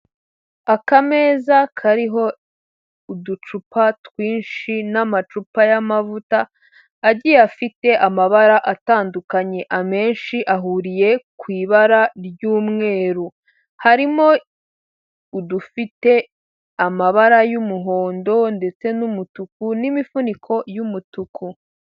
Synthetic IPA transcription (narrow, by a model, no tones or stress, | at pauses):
akame̞ːzakʰaɾiɦo̞ | udut͡ʃupatwiːnʃinamat͡ʃupajamavutaː | ɟijafite̞ʔamaβaɾaʔataːndukaɲe̞ʔame̞ːnʃiʔaɦuɾije̞kwiːβaɾaɾjuːmŋe̞ːɾu | haɾimo̞ | udufite̞ | amaβaɾajumuɦo̞ːndo̞nde̞t͡se̞numutukunimifunikʰo̞jumutuku